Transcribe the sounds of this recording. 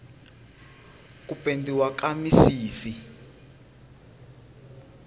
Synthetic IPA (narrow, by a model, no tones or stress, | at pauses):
k̬ʼupʼendiwakamisiːsi